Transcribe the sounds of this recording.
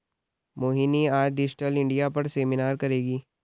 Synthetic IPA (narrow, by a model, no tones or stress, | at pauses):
moːɦiniaːd͡ʒɖɪd͡ʒʈəlɪ̃ɳɖijapɐɾseːmɪnaːɾkɐɾeːɡiː